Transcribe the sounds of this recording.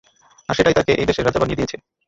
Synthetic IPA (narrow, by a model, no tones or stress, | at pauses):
aʃeʈajt̪akeʔejbeʃeɾad͡ʑabanijed̪ijet͡ɕʰe